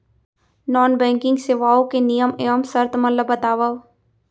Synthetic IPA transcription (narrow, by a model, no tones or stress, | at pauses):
nɔːnbɛ̃ːŋkɪ̃ŋɡseʋaːõkenijəmeəmsɐɾt̪məlləbət̪aːʋə